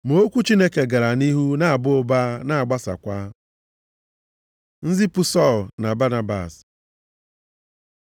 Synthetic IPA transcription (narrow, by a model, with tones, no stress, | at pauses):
m˨o˦kʷu˦t͡ʃi˦ne˦ke˨ɡa˨ɾa˨ni˦ɦu˦na˦a˨bʊ˦o˦ba˦na˦a˨ɡ͡ba˦sa̰˨kʷa˦ | n̩˦zi˦pʊ˦sɔ˦˨lna˨ba˦na˦ba̰˨s